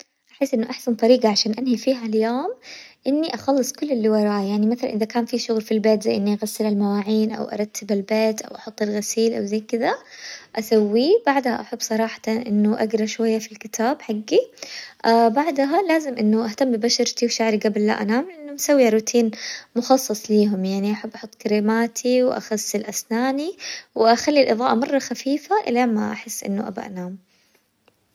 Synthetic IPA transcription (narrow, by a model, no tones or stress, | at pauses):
ʔaħɪsːʔɪnːʊʔaħsant̪ˤɑɾiːɡɑʕaʃaːnʔanhifiːɦaljoːmʔɪnːiʔɑxɑlːɨsˤkʊlːɪlːɪwɑɾˤɑːʔjaʕnimaθala̰nʔɪðakaːnfiʃʊɣlfilbeːt̪zajʔɪnːiʔaɣasːɪlalmawaːʕiːnʔa̰wʔɑ̰ɾˤɑt̪ːɪbalbeːt̪ʔa̰wʔɑħʊt̪ˤːɪlɣasiːlʔa̰wzajkɪd̪aʔasawːibaʕd̪haʔaħabːsˤɑɾˤɑːħɑ̥t̪ʔɪ̰nːʊʔaɡɾˤɑʃwajːafilkɪt̪ʰaːbħaɡːiʔabaʕd̪ɦalaːzɪmʔɪnːʊʔaht̪amːbɪbaʃɑɾt̪iwʃaʕɾiɡablːa̰ʔanaːmlɪʔɪnːʊmasawːiɾˤuːt̪ʰiːnmʊxɑsˤːɨsˤliːɦʊmjaʕniʔaħabːʔɑħʊt̪ˤːkaɾiːmaːt̪ʰiwʔa̰xasːɪlʔasnaːniwʔaxalːilʔɨðˤɑːʔɑmɑrˤːɑxafiːfaʔɪ̰lama̰ʔa̰ħɪsːʔɪ̰nːʊʔa̰ba̰ʔa̰naːm